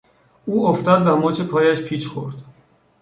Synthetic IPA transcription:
uɔft̪ad̪lamɔt͡ʃʰɛpʰɔjaʃpʰit͡ʃʰχɔ̰ɾt̪

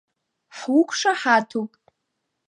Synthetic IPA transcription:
ħukʷʰʼʂaħatʰupʼ

